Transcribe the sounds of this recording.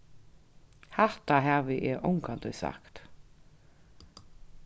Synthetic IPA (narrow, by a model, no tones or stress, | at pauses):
hɛht̪aɦɛːvɪʔɛɾʔɔwŋkant̪ɔjsa̰kt̪